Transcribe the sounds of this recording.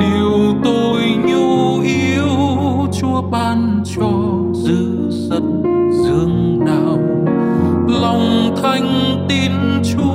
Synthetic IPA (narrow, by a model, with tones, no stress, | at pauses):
ɗe˨˩wt̪o˧jɲu˧ʔi˧əəw | t͡ɕu˧əɓaː˧n | t͡ɕɔ˧ | zɨ˧˨ | zə̰˧˨n | zɨ˧əŋɗaː˧˨˩w | la˨˧˩wŋ͡mt̪ʰa˧jŋ̟ | t̪i˧n | t͡ɕu˧˦